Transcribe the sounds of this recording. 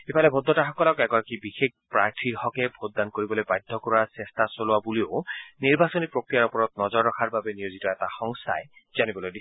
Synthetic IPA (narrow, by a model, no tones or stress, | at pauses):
ebalebʱod̪ʱːɔtaxɔkɔlɔkɛɡɔakibixek̚pɹaɹtʰihɔkebʱod̪̚dːankoɹibɔlojbajd̪ʱːɔkɔɹwasest̪ʰasoluwabulioniɹbasonipɹokɹijaɹɔpɔɹɔt̪̚nɔzɔɹːɔkʰaɹbabenijozitɔɛtaxɔŋst̪ʰa̰e | zanibɔlojdi